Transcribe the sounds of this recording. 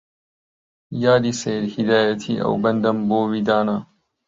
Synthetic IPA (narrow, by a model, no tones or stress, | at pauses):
jaːd̪iseːɾhid̪aːjɐt̪ʰḭɐ̰wbɐnd̪ɐmboːwid̪aːnaː